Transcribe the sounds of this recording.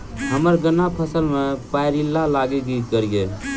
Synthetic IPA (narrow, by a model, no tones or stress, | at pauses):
həməɾɡənːapʰəsəlmepajɾilːalaɡekikəɾɡel